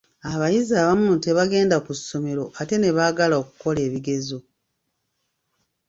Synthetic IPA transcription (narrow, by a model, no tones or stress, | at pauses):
aβajizaːβamunte̞βaɡe̞ːndakusːo̞me̞ɾo̞ʔate̞ne̞βaːɡalao̞ku̥ko̞le̞ːβiɡe̞zo